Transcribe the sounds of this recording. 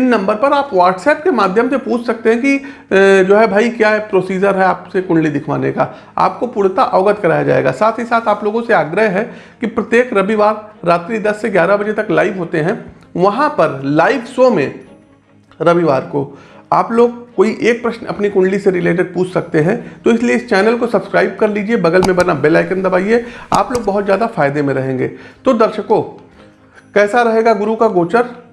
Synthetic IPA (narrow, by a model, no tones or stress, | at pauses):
ɪnːɐ̃mbəɾpɐɾaːpʋaːʈsɛːp̚kemaːd̪ʱjəmsepuːt͡ʃʰsɐk̚t̪eɦɛ̃ki | d͡ʒoːɦɛbʱaːikjaɛpɾoːsiːd͡ʒəɾɦɛaːpsekʊ̃ɳɖlid̪ɪkʰʋa̰ːneka̰ː | a̰ːp̚kopʊɽt̪aʔɔːɡət̪kɐɾaːjad͡ʒa̰ːḛːɡa̰saːt̪ʰɦisaːt̪ʰaːploːɡõseaːɡɾəɦɦɛ | kipɾɐt̪jeːkɾɐbiʋaːɾːaːt̪ɾid̪ɐsːeɡjaːɾabɐd͡ʒet̪ɐklaːɪʋɦoːt̪eɦɛ̃ | ʋɐɦãpɐɾlaːɪʋsomḛ̃ | ɾɐʋiʋaːɾkoaːploːɡ̚koːiʔeːk̚pɾɐʃnɐ̰pnikʊ̃ɳɖliseɾɪleːʈ̬ɪɖ̚puːt͡ʃʰsɐk̚t̪eɦɛ̃t̪oɪslieɪst͡ʃɛːnəlkosɐbskɾaːɪb̚kɐɾliːd͡ʒiebɐɡəlmẽbɐnabelaːɪkə̃nd̪ɐbaːiea̰ːploːɡ̚bɐɦʊt̪zjaːd̪afaːɪd̪emẽɾɐɦẽːŋɡḛːt̪od̪ɐɾʃəko | kɛːsaɾɐɦeːɡaɡʊɾukaɡoːt͡ʃəɾ